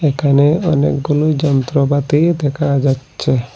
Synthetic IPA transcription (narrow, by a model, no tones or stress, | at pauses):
ekʰaneɔnḛkɡulujd͡ʒɔnt̪ɾɔbat̪id̪ɛkʰad͡ʒatːʃʰe